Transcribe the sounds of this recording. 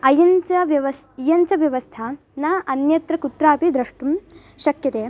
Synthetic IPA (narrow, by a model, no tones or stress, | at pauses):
ɐjɐnt͡ʃɐʋjɐʋɐsijɐnt͡ʃɐʋjɐʋɐst̪ʰɐ | naːʔɐnjɐt̪ɾɐkut̪ɾaːpid̪ɾɐʂʈum | ʃɐkjɐt̪eː